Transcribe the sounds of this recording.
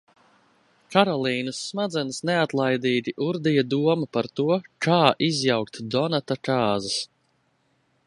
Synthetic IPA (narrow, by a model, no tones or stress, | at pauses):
kaɾɔlˠiːnusːmad̪zɛnsneat̪lˠajd̪iːɡ̪ʲiʔuɾd̪ijad̪uɔmapaɾt̪uɔkʰaːʔizjawkt̪d̪ɔnat̪akaːzas